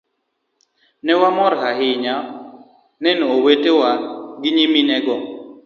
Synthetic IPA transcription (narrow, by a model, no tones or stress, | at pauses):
nɛwamɔɾhaɦɪɲa | nɛnoːwetewaɡɪɲiminɛɡɔ